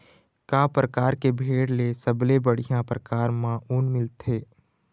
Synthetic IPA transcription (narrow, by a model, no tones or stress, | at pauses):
kaːpɾəkaːɾkebʱeːɽlesəblebəɽ̤ijãpɾəkaːɾmãːʔunmɪlt̪ʰeː